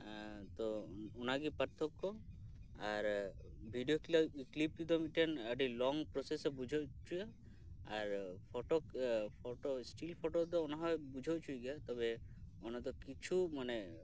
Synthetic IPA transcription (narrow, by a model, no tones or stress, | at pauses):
t̪ɔɔnaɡipəɾt̪ʰɔkːɔ | aɾ | bʱiɖijokilaiklip̚ːid̪ɔmiʈianəɖilɔŋpɾɔsesɔbud͡ʒʱet͡ʃuja | aɾpʰɔʈokpʰɔʈosʈilpʰɔʈod̪̬ɔɔnaɦɔebud͡ʒʱet͡ʃʰujɡjat̪ɔbe | ɔnat̪̬ɔkit͡ʃʰumane